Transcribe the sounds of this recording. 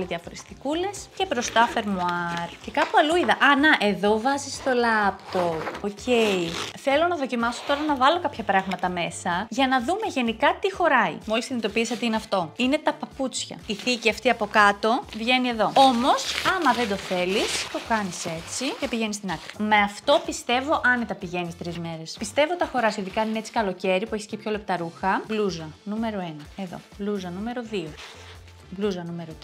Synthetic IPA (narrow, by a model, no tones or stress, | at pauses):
liðiɐfo̞ɾesθikule̞sce̞bɾo̞st̪ɐfe̞ɾmuɐɾce̞kɐpuɐluiðɐʔɐnɐʔe̞ðo̞vɐzist̪o̞lɐpt̪opocʰeiθe̞lo̞nɐðo̞cimɐso̞̥t̪o̞ɾɐnɐvɐlo̞kɐpçɐpɾɐɣmɐt̪ɐme̞sɐʝɐnɐðume̞ʝe̞nikɐt̪ixo̞ɾɐḭmo̞lisinit̪o̞pisot̪eineɐft̪o̞ine̞t̪ɐpɐput͡sçɐ̰iθiciɐft̪iɐpo̞kɐt̪o̞vʝe̞nie̞ðo̞o̞mo̞sɐmɐðe̞nd̪o̞θe̞list̪o̞kɐnise̞t͡sicepiʝe̞nist̪inɐkɾime̞ɐft̪o̞pist̪e̞vo̞ʔɐnet̪ɐpiʝe̞nist̪ɾizme̞ɾe̞spist̪e̞vo̞t̪ɐxo̞ɾɐsiðikɐnineet͡si̥kɐlo̞ce̞ɾipueçiscepço̞le̞p̚t̪ɐɾuxɐbluzɐnume̞ɾo̞e̞nɐe̞ðo̞̰bluzɐnume̞ɾoðio̞ | bluzɐnume̞ɾot̪i